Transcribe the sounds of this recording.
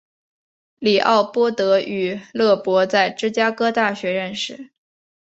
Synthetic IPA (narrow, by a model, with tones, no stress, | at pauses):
li˨˩ʔɑ̰˥˩ʊpwɔ˥t̪ɤ˧˥y˨˩lɤ˥˩pwɔ˧˥t͡sa˥˩ɪʈ͡ʂɻ̩˥t͡ɕja˥kɤ˥t̪a˥˩ɕɥɛ˧˥ɻə˥˧nʂɻ̩˥˩